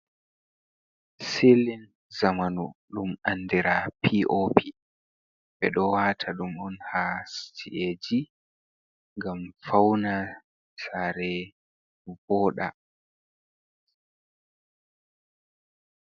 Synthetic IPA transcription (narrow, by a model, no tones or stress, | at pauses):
silin | zamanṵɗumanːdiɾapʰiʔopʰi | ɓɛɗɔwaːtʰaɗumɔnhastʰiʔed͡ʒi | ŋɡamfawna | saɾɛ | vɔːɗa̰